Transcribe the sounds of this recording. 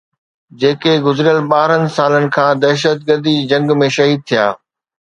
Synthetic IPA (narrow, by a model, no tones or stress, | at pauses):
d͡ʑeːkeɡʊzɾijəlɓaːɾənɪ̆saːlənɪ̆kʰãːd̪ɛːʃət̪̚ɡəɾd̪id͡ʑɐ̃ŋɡmẽʃɐɦiːd̪̚t̪ʰija̰ː